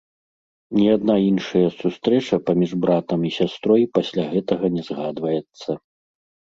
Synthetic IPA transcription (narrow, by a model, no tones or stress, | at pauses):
nʲiad̪nainʂɐjɐsust̪ɾɛt͡ʂɐpamʲiʐbɾat̪ɐmisʲast̪ɾɔjpasʲlʲaɣɛt̪ɐɣɐnʲɛzɣad̪vɐjɛt̪sːɐ